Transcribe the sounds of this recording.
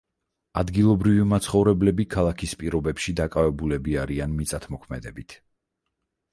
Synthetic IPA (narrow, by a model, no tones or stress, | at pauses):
ad̪ɡilˠɔbɾivimat̪sʰχɔvɾɛblɛbikʰalˠakʰispʼiɾɔbɛpʃid̪akʼavɛbulɛbiaɾianmit̪sʼat̪ʰmɔkʰmɛd̪ɛbit̪ʰ